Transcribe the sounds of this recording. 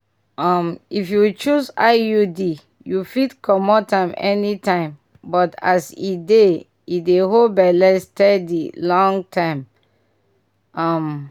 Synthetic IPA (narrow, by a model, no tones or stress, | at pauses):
amifjut͡ʃusajudi | jufitkʰɔmɔtãɪ̃mɛ̰nitãɪ̃m | bɔta̰side | idehobɛlɛstɛdilɔ̃ŋtʰãɪ̃m | am